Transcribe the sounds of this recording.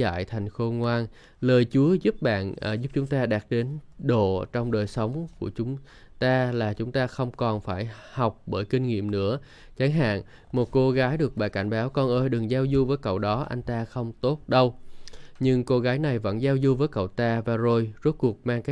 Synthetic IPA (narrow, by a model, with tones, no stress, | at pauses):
a̰ː˧˨jt̪ʰa˨˩jŋ̟xo˧ŋwaː˧n | ləː˨˩jt͡ɕu˨˦əzu˦˥p̚ɓa̰ː˧˨n˨˩zu˦˥p̚t͡ɕʊ˨˦ŋ͡mt̪aː˧ɗaː˨˩t̚ɗe˨˦nɗo̰˧˨t͡ɕɔ˧wŋ͡mɗəː˨˩jsə˨˦wŋ͡mku˧˩ət͡ɕʊ˨˦ŋ͡m | t̪aː˧laː˨˩t͡ɕʊ˨˦ŋ͡mt̪aː˧xə˧wŋ͡mkɔ˨˩nfaː˧˩jha˨˩wk͡p̚ɓəː˧˩jki˧ŋ̟ŋḭ˧˨əmnɨ̰˧˥ə | t͡ɕaː˨˦ŋɦa̰ː˧˨n | mo˨˩t̚ko˧ɣaː˨˦jɗɨ˨˩ək̚ɓa̰ː˧˨˩ka˧˩jŋ̟ɓaː˨˦wkɔ˨˩nʔəː˧jɗɨ˨˩ŋzaː˧wzu˧vəː˨˦jkə̰˧˨wɗɔ˨˦ʔa˧jŋ̟t̪aː˧xə˧wŋ͡mt̪o˦˥t̚ɗə˧wɲɨ˧ŋko˧ɣaː˨˦jna˨˩jvə̰˧˥nzaː˧wzu˧vəː˨˦jkə̰˧˨wt̪aː˧vaː˨˩zo˧˩jzo˦˥t̚ku˨˩ək̚maː˧ŋkaː˦˥